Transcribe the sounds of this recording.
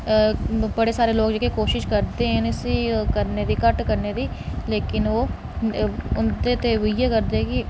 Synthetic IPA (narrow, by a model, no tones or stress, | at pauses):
bəɽeːsaːɾeːloːɡd͡ʒekikoːʃɪʃkəɾd̪eːɦɛ̃nɪsikəɾneːd̪iːkəʈkəɾneːd̪iːleːkɪnoː | ʊnd̪eːt̪eːʋieːkəɾd̪eːɛːkɪ